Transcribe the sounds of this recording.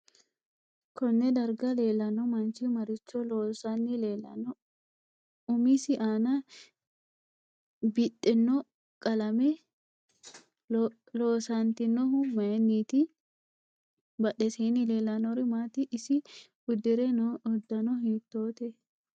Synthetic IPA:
kɔnːɛd̪ɐɾɡɐle̞ːlːɐnɔmɐnt͡ʃimɐɾɪt͡ʃːɔloːsɐnːɪleːlɐ̰nɔ | ʊmisɪʔaːnɐ | bɪtːɛnːɔ | kʼɐlɐmɛ | loːsant̪ɪnːɔɦʊmɐɛnːiːt̪ɪ | bɐɗɛseːnɪleːlːɐnɔɾɪmaːt̪ɪʔɪsɪ | ʊd̪ːɪɾɛnɔʊd̪ːɐnɔɦiːt̪ːoːt̪ɛ

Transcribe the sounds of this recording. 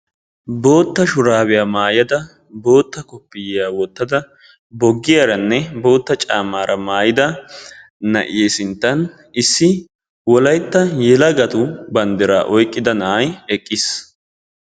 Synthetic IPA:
bo̞ːt̪ːɐʃʊɾaːbɛjaːmaːjɐd̪ɐ | bo̞ːt̪ːɐkɔpːɪjjaːwɔt̪ːɐd̪ɐ | bɔɡːɪjaɾɐnːɛbo̞ːt̪ːɐt͡ʃʼaːmːaːɾʔɐmaːjɪd̪ɐ | nɐ̰ʔjeːsɪnt̪ːɐn | ɪsːɪ | wɔlɐjt̪ːɐjɛlɐɡɐt̪ʊbɐnd̪ɛɾaːʔɔjkʼːɪd̪ɐnɐjɛkʼːɪs

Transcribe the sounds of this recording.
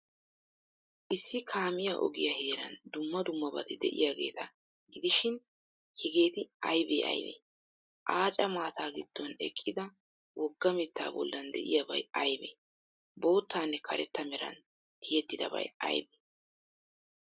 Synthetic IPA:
ʔɪsːɪkʰaːmɪjaʔɔ̰ɡɪjɐheːɾɐnd̪ʊmːɐd̪ʊmːɐbɐ̰t̪ɪd̪ɛ̰ʔɪ̰jaːɡe̞ːt̪ɐ | ɡɪd̪ɪʃɪn | hɪɡe̞ːt̪ɪɐjbḛːʔɐ̰jbḛː | ʔaːt͡ʃʼɐmaːt̪ʰaːɡɪd̪̥ːɔnɛ̰kʼːɪd̪ɐ | wʔɔɡːɐmɪt̪ːa̰ːbɔ̰lːɐnd̪ɛ̰ʔɪ̰jabɐ̰jɐjbḛː | bo̞ːt̪ːaːnːɛkʰɐɾɛt̪ːɐmɛɾɐ̰n | t̪ʰɪjɛt̪ːɪd̪ɐ̰bɐ̰jɐ̰jbeː

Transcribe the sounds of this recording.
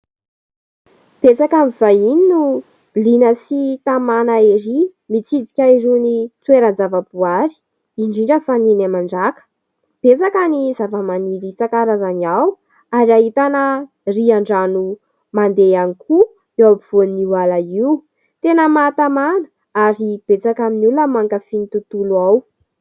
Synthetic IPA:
b̥et͡sakamivaininu | b̥ilinəsit̪amanaiɾimit͡sid̪ikʲaiɾunit͡sweɾənzavəbuaɾi̥ | iɳɖ͡ʐiɳɖ͡ʐəfaninamaɳɖ͡ʐakə̥ | b̥et͡sakanizavamaniɾit͡sakaɾazaniaw | aɾiaɦit̪anə | riaɳɖ͡ʐanu | mand̪eanikʰu | ewabiv̥onniwalaiw | t̪enəmat̪amanə̥ | aɾib̥et͡sakaminuləmaŋkafinit̪ut̪uluaw

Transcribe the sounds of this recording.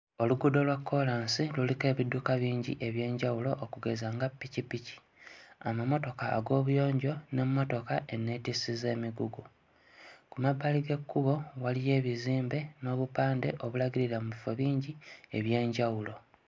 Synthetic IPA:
o̞luɡudo̞lwakʰːo̞laːnsilulike̞ːβidːukaβiːɲɟḭʔe̞βje̞ːɲɟawulo̞ʔːkuɡe̞zaŋɡapːicipici̥ | amamo̞to̞ka̰ːɡo̞ːβujo̞ːɲɟo̞ne̞mːo̞to̞kaʔe̞nːe̞tisize̞ːmiɡuɡu | kumabːaliɡe̞kːuβo̞walije̞ːβiziːmbe̞no̞ːβupaːnde̞ʔo̞βulaɡiɾiɾamuβifo̞βiːɲɟie̞βje̞ːɲɟawulo̞

